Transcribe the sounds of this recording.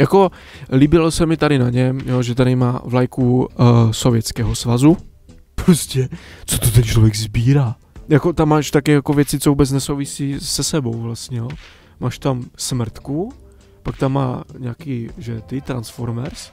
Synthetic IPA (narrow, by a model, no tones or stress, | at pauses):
jako̞ | liːbɪlosɛmɪt̪aɾɪnaɲɛmjoʒɛt̪aɾɪma̰ːvlajkuso̞vjɛt͡skɛːɦosvazu | pɾoscɛt͡so̥t̪ot̪ɛnt͡ʃlovjɛɡzbiːɾaː | jako̞t̪amːaːʃt̪akɛjakovjɛt͡sɪt͡sovuːbɛt͡snɛso̞wvɪsiːsɛsɛbo̞wvlast̪ɲɛjo | maːʃt̪amsmr̩t̪ku | pak̚t̪amːa̰ːɲaːkiːʒɛt̪ɪt̪ɾansfoɾmɛɾs